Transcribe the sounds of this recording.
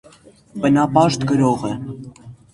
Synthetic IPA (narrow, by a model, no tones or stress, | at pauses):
bənɑpɑʃt̪kəɾɔʁɛ